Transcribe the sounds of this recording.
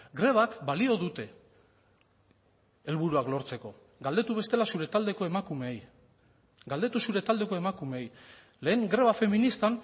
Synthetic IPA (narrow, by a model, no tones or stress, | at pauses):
ɡɾe̞β̞akbalio̞ðut̪e̞ | e̞lβuɾuaklo̞ɾt͡se̞ko̞ | ɡald̪e̞t̪uβe̞st̪e̞lasuɾe̞t̪ald̪e̞ko̞e̞makume̞ːj | ɡald̪e̞t̪usuɾe̞t̪ald̪e̞ko̞e̞makume̞ːj | le̞ːŋɡɾe̞β̞afe̞minist̪an